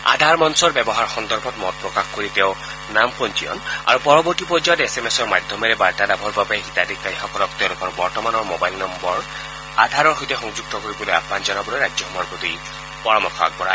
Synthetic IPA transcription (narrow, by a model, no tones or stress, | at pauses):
a̰d̪ʱaɹmanusɔɹbɛbɔɦaɹxɔnd̪ɔɹbʱɔtmɔt̚pɹɔkaxkoɹit̪eʊ̃ | nampɔntijɔ̰na̰ɹupɔɹɔbɔɹʈipɹɔd͡ʒajɔt̪esemesɔɹmad̪ʱjɔmeɾebaɹtad̪abʱɔɹbapaexit̪ad̪ikːaixɔkɔɾɔkt̪ewlukɔɹbɔɹtɔmanɔɹmobajlnɔmbɔɹ | ad̪ʱaɾɔɹxojt̪exɔŋd͡ʒuɡ̚t̪ɔkoɹibɔloja̰pmand͡ʒɔnɔbɔlɔɾad͡ʒjɔxɔmɔɹpɔt̪ij | pɔɹamɔkʰɔa̰k̚bɔɹa̰